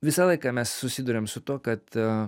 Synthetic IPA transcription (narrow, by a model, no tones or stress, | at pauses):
ʋʲɪsɑlˠɐɪkɑːmʲɛsːʊsʲɪd̪ʊɾʲemsʊt̪uɔkɐt̪